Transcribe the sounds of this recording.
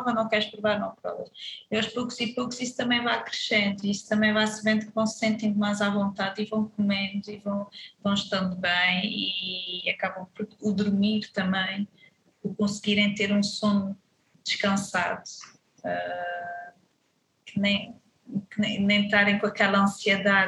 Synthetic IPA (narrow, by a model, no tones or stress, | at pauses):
ɔvɐnɐ̃w̃kɛɾʃpɾuvaɾnɐ̃w̃pɾɔ̰vɐ̰ʃiawʃpokuzipokuzisu̥t̪ɐmɐ̃j̃vajkɾɨʃẽnd̪uiisu̥t̪ɐmɐ̃j̃vajsɨvẽnd̪ukvɐ̃w̃ssẽnt̪ɐ̃j̃d̪majzavõnt̪aðivɐ̃w̃kumẽnuivɐ̃w̃vɐ̃w̃ʃt̪ɐ̃nd̪uβɐ̃j̃iɐkaβɐ̃w̃puɾud̪uɾmiɾt̪ɐmɐ̃j̃ | uɾkõsɣiɾẽj̃t̪eɾũsonu | d̪ɨʃkɐ̃saðu | ɛ | kɨnɐ̃j̃ | kɨnẽj̃nẽj̃t̪aɾɐ̃j̃kõɐkɛlˠɐɐ̃siɨðað